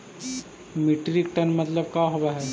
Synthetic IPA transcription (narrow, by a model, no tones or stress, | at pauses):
miʈɾik̚ʈənmɐt̪ləbkaɦoʋaɦɛ